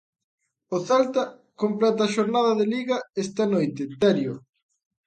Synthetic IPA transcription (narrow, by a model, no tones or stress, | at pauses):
oθalt̪ɐ | komplɛt̪ɐːʃoɾnaðɐðeliɣɐɛst̪ɐnojt̪ɪt̪ɛɾjo